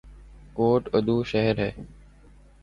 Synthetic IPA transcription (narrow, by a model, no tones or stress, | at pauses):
koːʈəd̪ʱuːʃəɦəɾɦeː